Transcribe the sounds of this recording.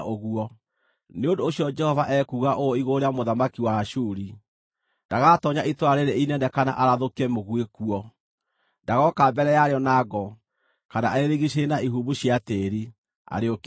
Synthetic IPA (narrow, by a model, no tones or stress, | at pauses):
ʔoɣuɔ | neondoːɕiɔd͡ʒɛhɔvaʔɛkuɣaʔooiɣoɾeamoðamakiwaʃuɾi | nd̥aɣatɔɲaʔitwaɾeɾeinɛndɛkana̰ʔaɾaðokiɛmoɣwekuɔ | ndaɣɔkaːmbɛɾɛjaɾeɔnaɡɔ | kana̰aeɾeɣiɕenaiɦuβuɕiateɾi | a̰ɾeok